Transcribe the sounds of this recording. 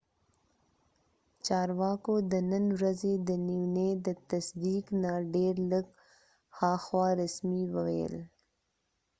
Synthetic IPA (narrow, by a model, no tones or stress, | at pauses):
t͡ʃɑːɾwɑkod̪ənənwɾazed̪əniwned̪ət̪asd̪iknaɖeɾləɡ | xɑxwɑɾasmiwəwḛl